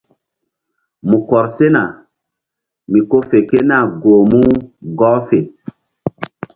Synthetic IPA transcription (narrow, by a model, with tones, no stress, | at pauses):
mu˨kɔ˨ɾse˦na˨ | mi˨ko˦fe˨ke˦na˨ɡoː˨mu˦ɡɔ˦fe˨